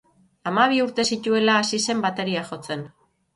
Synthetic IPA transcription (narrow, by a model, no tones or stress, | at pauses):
amaβ̞iuɾt̪e̞sit̪ue̞laːsise̞mbat̪e̞ɾiaʝo̞t͡se̞n